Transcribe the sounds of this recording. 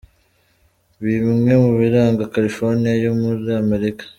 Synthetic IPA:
βimmŋe̞muβiɾaːŋɡakaɾifoɾnijajomuzeame̞ɾikḁ

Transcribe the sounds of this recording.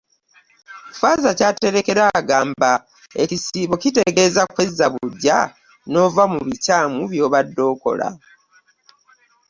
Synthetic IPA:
faːzacaːte̞ɾe̞ke̞ɾaːɡaːmba | ḛcisiːβo̞cite̞ɡe̞ːzakwezːaβuɟːa̰ | no̞ːvamuβicaːmuβjo̞ːβadːo̞ːko̞̰la̰

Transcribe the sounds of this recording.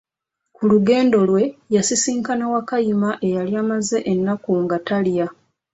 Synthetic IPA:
kuluɡe̞ːndo̞lwe̞jasisiːŋkanawakajimaʔe̞jaljaːmaze̞ʔenːakuŋɡatalja

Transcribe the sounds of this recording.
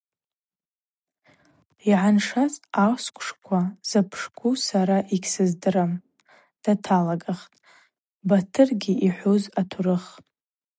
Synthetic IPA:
iʕanʂat͡sʼawskʷʰʼʂkʷʰaz̥apʰʂkʷusaɾaʔikʲsɨzdɨɾam | d̥atʰalaɡaχtʼ | batʰɨrɡʲiiħʷozatʰuɾɨχ

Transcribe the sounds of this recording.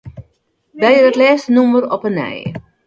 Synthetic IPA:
dɛjədɔtlɛːstənumərɔpənɛ̰j

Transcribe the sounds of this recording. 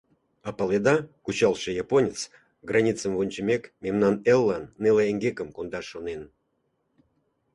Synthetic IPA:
ɑpəled̪ɑkut͡ɕɑlˠʃĕjɑponʲət͡s | ɡrɑnʲit͡səmvonʲt͡ɕəmʲekmemnɑnelːɑnːeleeŋɡekəmkond̪ɑʃonen

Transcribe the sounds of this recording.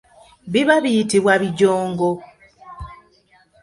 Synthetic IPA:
βiβaβijitiβwaβiɟoːŋɡo

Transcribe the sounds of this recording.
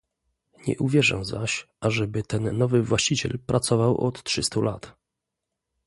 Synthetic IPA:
ɲɛ̰ʔuvʲjɛʐɛ̰wzaɕʔaʐɛbɘt̪ɛnːɔvɘvwaɕt͡ɕit͡ɕɛ̰lpɾʔat̪sɔvawʔɔ̰t̪tʂɘst̪ulat̪

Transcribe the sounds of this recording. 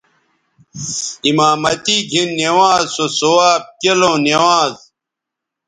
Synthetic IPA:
imaːmɐt̪iɡʱinːewaːzsosowaːb̚kelõːnewaːz

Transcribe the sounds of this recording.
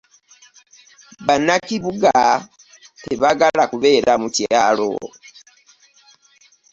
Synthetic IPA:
βanakiβuɡa | teβaɡalakuβe̞ːɾʔamucjaːlo̰

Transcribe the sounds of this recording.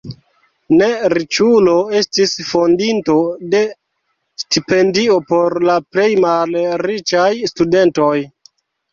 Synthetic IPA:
ne̞ɾit͡ʃulo̞e̞stisfondinto̞de̞ | stipe̞ndio̞po̞ɾlaple̞jmalɾit͡ʃajstude̞nto̞j

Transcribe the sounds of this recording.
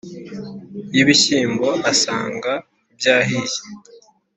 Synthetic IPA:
jiβiɕiːmbo̞ʔasa̰ːŋɡa | bjaːɦije̥

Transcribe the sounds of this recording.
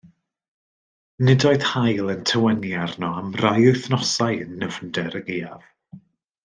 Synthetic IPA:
nɪdɔɨðhajlˠəntʰəwɛnjarnɔamrajʊjθnɔsajənːəvndɛɾəɡeːav̥

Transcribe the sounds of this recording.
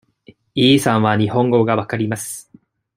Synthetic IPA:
iːsãɰ̃βaɲ̟ihõ̞ŋɡo̞ɡaβakaɾʲimasɨ̥

